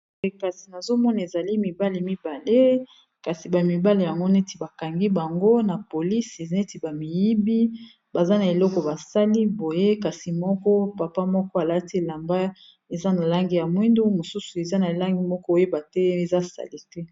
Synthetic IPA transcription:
ka˨si˨na˨zo˦mɔ˦na˨e˨za˨li˦mi˨ba˦le˨mi˦ba˨le˦ | ka˨si˨ba˨mi˨ba˦le˨ja˨ŋɡo˦ne˦ti˨ba˨ka˨ŋɡi˦ba˨ŋɡo˦na˨po˨li˦se˨ne˦ti˨ba˨mi˨ji˦bi˦ | ba˨za˦na˨e˨lɔ˦kɔ˨ba˨sa˦li˦bo˨je˦ka˨si˨mɔ˦kɔ˦pa˨pa˦mɔ˦kɔ˦a˨la˦ti˦e˨la˨mba˦ | e˨za˦na˨la˦ŋɡi˦ja˨mwi˦ndu˦mo˨su˦su˨e˨za˦na˨e˨la˦ŋɡi˦mɔ˦kɔ˦o˦je˦ba˨tɛ˦e˨za˦˨sa̰˨li˦tɛ˦

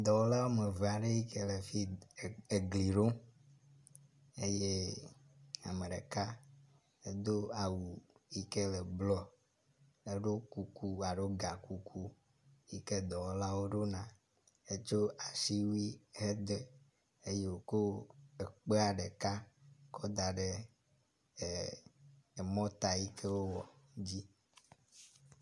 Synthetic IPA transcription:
d̪ɔ˨wɔ˦la˦wo˦me˨ve˨a˨ɖe˦ji˦ke˦le˨fi˦˨e˨ɡli˨ɖo˦ | e˦je˦ | a̰˨mẽ˨ɖḛ˨ka˦ | e˦d̪o˦a˨wu˨i˦ke˦le˨blɔ˦ | e˦ɖo˦ku˨ku˦a˨ɖo˦ɡa˨ku˨ku˦ | ji˦ke˦d̪ɔ˨wɔ˦la˦wo˦ɖo˦nã˨ | e˦t͡ʃo˦a˨si˦wi˦ɦe˦d̪e˨ | e˦je˦˨wo˨ko˦e˨k͡pe˦a˨ɖe˨ka˦kɔ˦d̪a˨ɖe˨ | e˨mɔ̃˦t̪a˨ji˦kʰɛ˦wo˦wɔ˨d͡ʑi˦

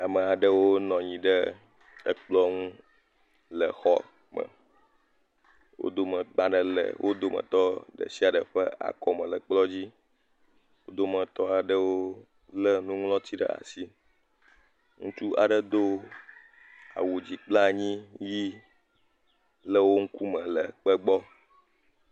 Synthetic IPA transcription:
a˨mə̃˨a˨ɖə˦wo˦nɔ̃˨ɲĩ˨ɖə˦ | ə̰˦k͡plɔ˦ŋũ˦ | lə˨xɔ̰˦ | mə̰̃˨ | wʔo̰˦d̪o˦mə̃˨ɡ͡ba˦ɖə˨lə̰˨wʔo˦d̪o˦mə̰̃˨t̪ɔ˦ɖə̰˨si˦a˨ɖə˨ɸə˦a̰˨kɔ˦mə̃˨lə˨k͡plɔ˦d͡ʑi˦ | wo˦d̪o˦mə̃˨t̪ɔ˦a˨ɖə˦wo˦ | lə˦nũ˦ŋlɔ̃˦t̪ʰi˦ɖə̰˦˨a̰˨si˦ | ŋũ˦t͡ʃu˦a̰˨ɖə˦d̪o˦ | a̰˨wu˨d͡ʑi˨k͡pla˦˨ɲĩ˦ji˦ | lə˦wo˦ŋ̩˦ku˦mə̃˨lə˨k͡pə˦ɡ͡bɔ˦

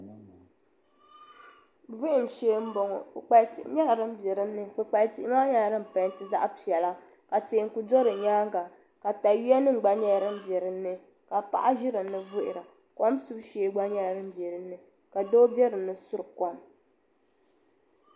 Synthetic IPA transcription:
vʊ˦ʔɪ˨m˨ʃeː˦m̩˦bɔ˨ŋɔ˨ɨ˨k͡pa˨˦tḭ˨ʔɪ˦ɲɛ˦ɾa˨ɾɨ˦m˦bɛ˨ɾɨ˦nːɨ˦k͡pɨ˨k͡pa˨ti˨ʔɪ˦maː˦ɲa˦˨ɾɨ˦m̩˨pa˨n˦tɨ˦za̰˦ʔpi˨ɛ˨la˦ | ka˨teː˨ŋ˨ku˨do˦ɾɨ˨ɲaː˦ŋ˦ɡa˨ | ka˨ta˨ji˦ɛ˦nɨ˦ŋ˨ɡ͡ba˦ɲɛ˦˨ɾɨ˦m˦bjɛ˨ɾɨ˦nːɨ˦ | ka˨pa̰˨ʔa˦ʒɪ˦ɾɨ˨nɨ˨vʊ˦ʔɪ̰˨ɾa˨ | kɔ˦msu˦bʃeː˦ɡ͡ba˦ɲa˦ɾɾɨ˦m̩˦bjɛ˨ɾɨ˨nːɨ˦ | ka˨do˦bɛ˦ɾɨ˨nːɨ˦su˦ɾɨ˨kɔ˦m

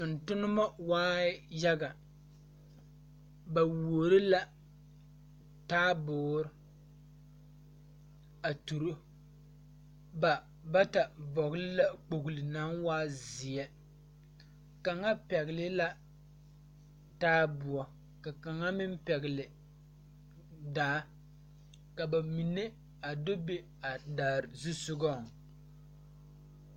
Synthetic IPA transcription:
ʊ˨n̩˨tʊ˦nɨ˦ma˦waː˦ja˦ɡa˨ | ba˨wo˨ɾɪ˦la˦ | taː˦bʊː˨ɾɪ˦ | a˨tu˨ɾʊ˦ | ba˨ | ba˦ta˨bɔ˨ɣlɪ˦la˦k͡po˨ɡʊ˨lɪ˨naː˦ŋwaː˦zɪ˨jɛ˦ | ka˨ŋa˦pɛ˨ɣɪ˨lɪ˦la˦ | taː˦bʊ˨ɔ˨ | ka˨ka˨ŋa˦mɪ˦m˦pɛ˨ɣɪ˨lɪ˨ | daː˨˦ | ka˨ba˨mi˨ne˦ | a˨do˦be˦ | a˨daː˨ɾzu˦sʊ˦ɡɔ˦˨ŋ˨

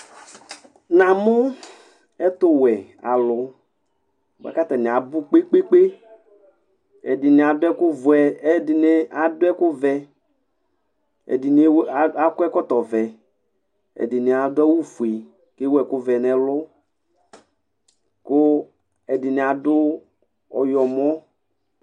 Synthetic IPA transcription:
nã˨mʊ˦ | ɛ˦t̪ʊ˦wɛ˨ | a˨lʊ˨˦˨ | ba̰˦ka˦t̪a˨nĩ˨a˨bʊ˦k͡pe˦k͡pe˦k͡pe˦ | ɛ̰˨dɪ˨nĩ˨a˨dʊ˦ɛ˦kʊ˦vʊ˨ɛ˦dɪ˨ne˦a˨dʊ˦ɛ˦kʊ˦vɛ˦ | ɛ̰˨di˨n˦a˦kʊ˦ɛ˦kɔ˦t̪ɔ˨vɛ˨ | ɛ̰˨dɪ˨ni˨a˨dʊ˦ɛ˦wu˦fu˨e˨ | ke˦wɛ˨kʊ˦vɛ˨nɛ̃˨lʊ˦ | kʊ˦ | ɛ˨dɪ˨ni˨a˨dʊ˦ | ɔ˨jɔ˨mɔ˦

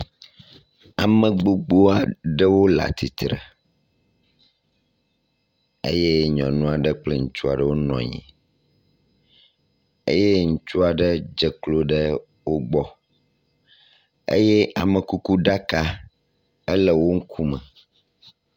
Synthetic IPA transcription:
a˨mə̃˨ɡ͡bo˦ɡ͡bo˦a˨ɖə˦wo˦la̰˨t̪ʰi˨t̪ɾə̰˨ | ḛ˦je˦ɲɔ̰̃˨nũ˦a˨ɖə˦k͡plə˦ŋu˦t͡ʃu˦a˨ɖə˦wo˦nɔ̰̃˨ɲḭ̃˨ | ḛ˦je˦ŋũ˦t͡ʃu˦a˨ɖə˦d͡ʒə˨klo˦ɖə˦ | wo˦ɡ͡bɔ˦ | ḛ˦jɛ˦ʔa˨mə̃˨ku˦ku˦ɖa˦ka˦ | ə˦lə˦wo˦ŋ̩˦kʰu˦mə̰̃˨

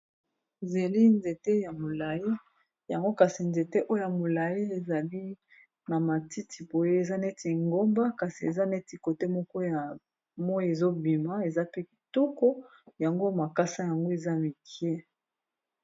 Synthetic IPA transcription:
ze˨li˦nze˨te˦ja˨mo˨la˨ji˦ | ja˨ŋɡo˦ka˨si˨nze˨te˦ʔo˦o˦ja˨mo˨la˨ji˦e˨za˨li˦ | na˨ma˨ti˦tʰi˨bo˨je˦e˨za˦ne˦ti˨ŋɡo˦mba˦ka˨si˨ḛ˨za˦ne˦ti˨ko˨te˦mɔ˦kɔ˦ja˨ | mɔ˦e˨zo˦bi˨ma˦e˨za˦pe˦˨to˦kɔ˦ | ja˨ŋɡo˦ma˨ka˦sa˦ja˨ŋɡo˦e˨za˦mi˨ke˦

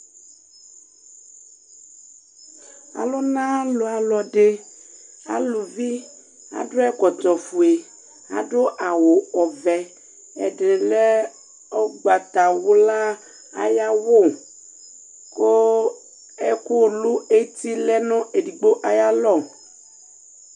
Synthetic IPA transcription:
a̰˨lɔ˦nã˦lo˨a˨lɔ˨ɖe˦ | a̰˨lu˨vi˦ | a̰˨dʊ˦ɛ˦kɔ˨t̪ɔ˨fu˨e˨ | a̰˨ɖʊ˦ʔa˨wo˨ɔ˨vɛ˨ | ɛ̰˨ɖɾe˨lɛ˦ | o˦ɡ͡ba˨t̪a˨wo˦la˦ | a̰˨ja˦wo˦˨ | ko˦ | ɛ˦ku˦˨lu˦e˦t̪i˦lɛ˦nɔ̃˦e˨di˨ɡ͡bo˦ʔa˨ja˦lɔ˦˨

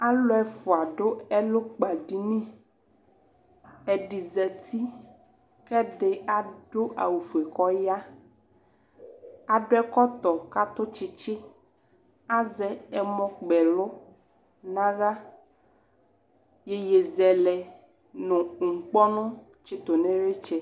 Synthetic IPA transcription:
a˦lo˦ɛ˦˨fo˨a˨ɖo˦ɛ˦lo˦k͡pa˨ɖi˦nĩ˦ | ɛ˨ɖi˨zɛ˨t̪i˦ | kɛ˦ɖe˦a˨ɖo˦ʔa̰˨wu˨fu˨ɛ˨kɔ˦ja˦ | a˨ɖo˦ɛ˦kɔ˦t̪ɔ˨ka˦t̪o˦t͡ʃi˦t͡ʃɪ˦ | a˦zɛ˨ɛ˨mɔ̃˦k͡pɛ˨lʊ˦ | nã˦ɖa˦ | je˦je˨zɛ˨lɛ˨ | nõ˨ŋ̩˨k͡pɔ˦nɔ̃˦ | t͡ʃi˦t̪o˨nẽ˦ɾe˦t͡ʃɛ˦

